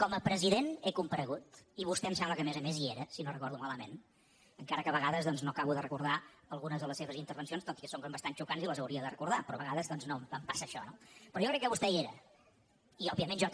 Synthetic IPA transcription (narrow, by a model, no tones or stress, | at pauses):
kɔməpɾəziðenekumpəɾəɣut̪iβust̪ɛmsamβləkəmɛzəmezieɾəsinorəkɔɾðumaləmḛn | əŋkaɾəkəβəɣaðəzðɔnznokaβuðərəkuɾð̞aəlˠɣunəzðələsːeβəzint̪əɾβənsionst̪ot̪i̥kəsoŋkombəst̪ant͡ʃukanziləzəwɾiəðərəkuɾðapɾɔβəɣaðəzðɔnznoməmpasəːʃɔ̰nopɾɔjɔkɾɛkːəβust̪ɛieɾə̰ | iɔbiəmenʒɔ